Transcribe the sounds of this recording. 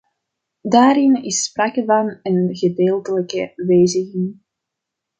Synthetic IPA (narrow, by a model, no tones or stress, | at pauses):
daːɾɪnɪspraːkəvɑnənɣədeːlˠtələkəʋeːzəɣɪŋ